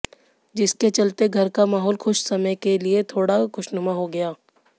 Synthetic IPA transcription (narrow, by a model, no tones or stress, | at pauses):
d͡ʒɪsket͡ʃɐlt̪eɡʱɐɾkamaːɦɔːlxʊʃsɐməjkeliet̪ʰoːɽakʊʃnʊmaɦoɡɐjaː